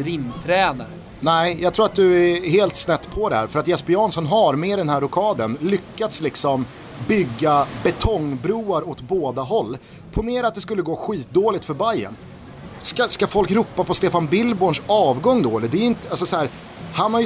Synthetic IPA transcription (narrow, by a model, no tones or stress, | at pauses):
ɾɪmːt̪ʰɾɛːnaɾ | nɛɪjɑɡt̪ʰɾuːɾat̪̚d̪ɵɛheːlt̪snɛt̪ːpʰɔd̪ɛhæ̰ːɾfœɾat̪jɛspɪɑːnsɔnɦaɾmeːd̪ɛnɦæɾʊkʰɑːd̪ənlʏkːat̪slɪksɔm | bʏɡːabɛt̪ʰɔŋːbɾuːaɾɔt̪boːd̪aɦɔlː | pʰʊneːɾat̪̚d̪ɛskɵlːəɡoːɧiːt̪̚d̪oːlɪt̪fœɾbajːə̰n | skaskafɔlkɾuːpːapɔst̪eːfanbɪlːboːɳʂɑːvɡɔŋːd̪oːɛləd̪ɛːjɪnt̪əalsɔsɔhæːɾ | hanhaɾj